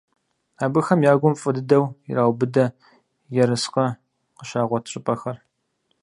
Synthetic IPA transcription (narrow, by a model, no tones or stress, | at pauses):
aːbɨxɐmjaːɡʷʊmfʼɨdɨdɐwḭɾaːwbɨdɐ | jɛɾɨsqɐ | qəʃaːʁʷɔtʰɕʼɪpʼɐxɐr